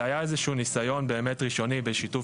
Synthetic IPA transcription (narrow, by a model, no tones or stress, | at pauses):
ajaezeʃuunisajo̞nbeːme̞tʁiʃo̞nibeʃitu